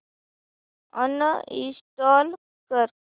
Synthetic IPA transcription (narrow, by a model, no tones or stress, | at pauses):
ə̰nəḭsʈaːl | kəɾ